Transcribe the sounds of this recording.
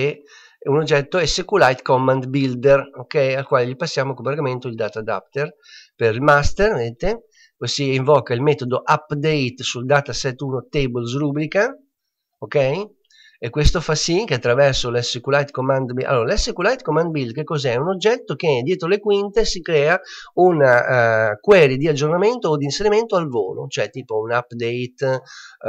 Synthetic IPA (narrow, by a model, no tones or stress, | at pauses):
e | unod͡ʒːɛt̪ːoɛsekulajt̪kɔmːand̪bild̪erokɛjalkwaːleʎipasːjaːmokobaɾɡament̪oild̪aːt̪ad̪a̰p̚t̪er | peɾilmast̪ervd̪et̪e | posiiɱvɔkailmɛːt̪od̪oʔapːd̪ɛjt̪suld̪aːt̪asɛt̪ːuːnot̪ebols̬ɾubɾika | okɛj | ekːwest̪ofasik̟eat̪ːɾavɛɾsolɛsːekulajt̪komand̪bia̰lːoːɾalɛsːekulajt̪komand̪bilkekːɔzɛunod͡ʒːɛt̪ːok̟ed̪jɛːt̪ɾolekwint̪esikɾɛːaunakwɛːɾid̪iad͡ʒːornament̪oːd̪inseɾiment̪oalvo̰ːlo̰t͡ʃoɛt̪iːpounapːd̪ɛjt̪